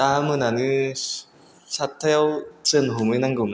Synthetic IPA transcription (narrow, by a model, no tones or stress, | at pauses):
amɯnanɯ | sat̪ʰewt͡sɯnɦomɯnaŋɡɯm